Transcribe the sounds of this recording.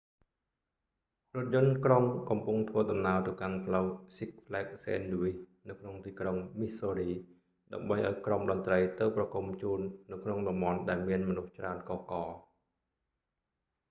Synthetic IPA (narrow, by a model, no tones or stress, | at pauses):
rʊ̆ət̪̚jʊ̆ənkroŋkɑmpuŋt̪ʰʋəəɗɑmnaət̪ɨwkanpʰləwsik̚pʰlɛːk̚sḛːnɗuʋinɨwkʰnoŋt̪iːkroŋmisoːriː | ɗaəmɓəjʔa̰ɔjkromɗɑnt̪rəjt̪ɨwprɑkumt͡ɕuːnːɨwkʰnoŋɗɑmɓɑnɗaɛlmiənmɔnuht͡ɕraənkɑːkɑː